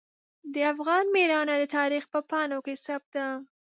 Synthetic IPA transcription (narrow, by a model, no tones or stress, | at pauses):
d̪əafɣɑnmeɾɑnad̪ət̪ɑɾixpəpɑnokesap̚d̪a